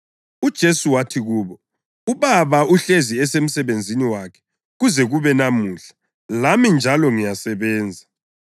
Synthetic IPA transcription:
ud̥ʒ̥ʱesuwatʰiɣuːβɔ | uβaβaʔuɬeziɛsem̩sɛβend͡zʱiniwakʰɛ̥ | ɣuzɛɣuβɛnamuːɬḁ | lamind͡ʒʱalɔŋijasɛβɛːnd͡zʱa

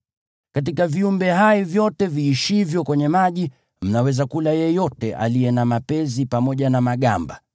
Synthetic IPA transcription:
kat̬ikaviumbɛɦaivjɔtɛviːʃivjɔkwɛɲɛmaʄi | m̩nawɛzakulajɛjɔtɛʔa̰lijɛnamapɛzipamɔʄanamaɠamba

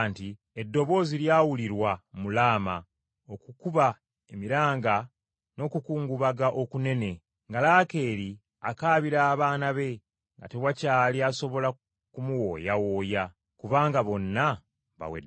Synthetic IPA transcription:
nti | e̞dːo̞βo̞ːziljaːwuliɾwamulaːma | o̞kukuβa | e̞miɾaːŋɡa | no̞ːkukuːŋɡuβaɡaʔo̞kune̞ne̞ | ŋɡalaːke̞ːɾi | a̰kaːβiɾaːβaːnaβe̞ | ŋɡa̰teβwacaːliaso̞βo̞la | kumuwo̞ːjawo̞ːja | kuβaːŋɡaβo̞nːa | βa̰wḛd

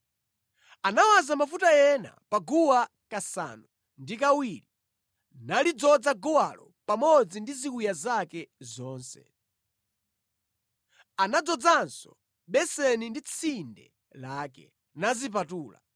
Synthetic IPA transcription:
anawazamafutajɛna̰paɡuwa | kasa̰nu | ndikawili | nalid͡zɔd͡zaɡɔwa̰lɔpamɔd͡zindizikujazakɛzɔːnsɛ̰ | anad͡zɔd͡zansɔ | ɓɛsɛnindit͡sʰindɛ̰ | laːkɛ | nazip̬atuːla̰

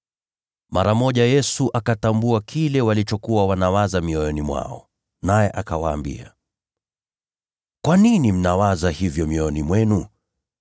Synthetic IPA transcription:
maɾamɔʄajɛsuʔakatambuakʰilɛwalit͡ʃɔkuwawanawazamiɔjɔnimwa̰ɔ̰ | najɛʔakawaːmbḭa̰ | kwaninim̩nawazahivjɔmiɔɔnimwɛnu

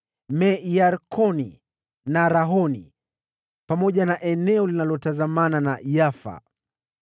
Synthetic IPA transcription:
mɛjaɾkʰɔnḭ | naɾaɦɔnḭ | pamɔʄanaʔɛnɛɔlinalɔtazamananajafa̰

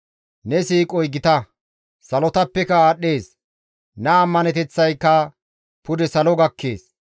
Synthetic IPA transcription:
nɛsiːkʼɔjɡɪt̪ɐ | sɐlɔt̪ɐpːɛkɐaːɗːeːs | nɐɐmːɐnɛt̪ɛt͡sːɐjkːɐ | pʊd̪ɛsɐlɔɡɐkʰːḛːs

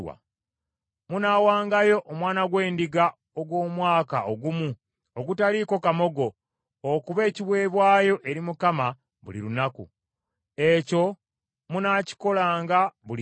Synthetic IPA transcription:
wa̰ | munaːwaːŋɡajo̞ʔomwaːnaɡwe̞ːndiɡa | oɡwo̞ːmwaːkaʔoɡumu | oɡutaliko̞kamo̞ɡo̞ː | kuβe̞ːciβwe̞ːβwaːjo̞ʔe̞ɾimukama | βṵlḭɾunakṵ | e̞co̞ | munaci̥ko̞laːŋɡaβul

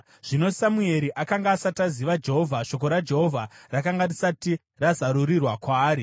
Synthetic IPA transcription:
ʐ̥ino̞samue̞ɾiʔakaŋɡaːsataziʋad͡ʒe̞ɦo̞vʱaʃo̞k̬o̞ɾad͡ʒe̞ɦo̞vʱarakaŋɡarisati | razaɾurirwakwaːɾi

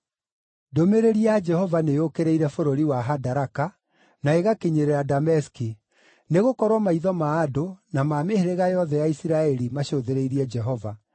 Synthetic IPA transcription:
domeɾeɾiad͡ʒɛhɔvanejokeɾeiɾɛfoɾoɾiwaɦadaɾaka | naeɣakiɲeɾeɾadamɛski | neɣokɔɾwɔmaiðɔmaːdonamaːmeheɾeɣajɔðɛjaisiɾaɛɾimaɕoðeɾeiɾiɛd͡ʒɛɦɔva

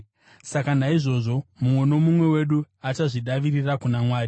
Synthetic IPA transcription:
sakanaiʐo̞ʐo̞mumwe̞no̞mumwe̞we̞ɗuat͡ʃaʐiɗaʋirirakunamwaːri

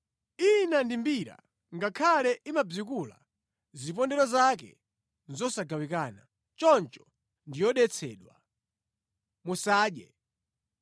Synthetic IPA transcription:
inandimbiɾa̰ | ŋɡakʰalɛʔimab͡ʐikula̰ | zip̬ɔndɛɾɔzakɛ̰ | nzɔsaɡawikaːna | t͡ʃɔnt͡ʃɔ̥ | ndijɔɗɛt͡sʰɛːɗwa | musaːɗjɛ

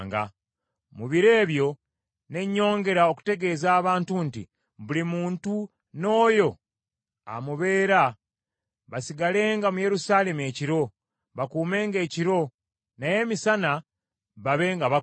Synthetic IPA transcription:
ŋɡa̰ | muβiɾe̞ːβjo̞ | ne̞ɲːo̞ːŋɡe̞ɾao̞ku̥te̞ɡe̞ːzaːβaːntuntḭ | βulimuːntu | no̞ːjo̞ | a̰muβe̞ːɾa | βasiɡale̞ːŋɡamuje̞ɾusaːle̞mue̞ːciɾo̞ | βakuːme̞ːŋɡe̞ːciɾo̞ | naje̞ːmisana | βaβe̞ːŋɡaβa

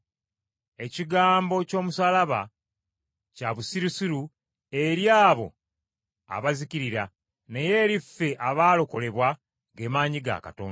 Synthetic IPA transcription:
e̞ciɡaːmbo̞co̞ːmusalaβa̰ | caβusiɾusiɾu | e̞ɾjaːβo̞̰ | a̰βaziciɾiɾa | ne̞je̞ːɾifːe̞ʔaβaːlo̞ko̞le̞βwa | ɡe̞ːmaːɲiɡa̰ka̰toːn

